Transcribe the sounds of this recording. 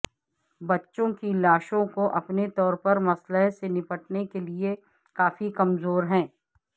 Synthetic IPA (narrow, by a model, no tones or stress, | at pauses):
bɐtːʃõkilaːʃõkoʔɐpnet̪ɔːɾpɐɾmɐsləɦsenɪpəʈnekelie | kaːfikɐmzoːɾɦɛ̃ː